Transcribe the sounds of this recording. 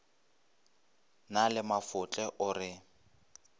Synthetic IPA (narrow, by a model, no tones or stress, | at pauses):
nalɪmafʊt͡ɬʼɛʔʊrɪ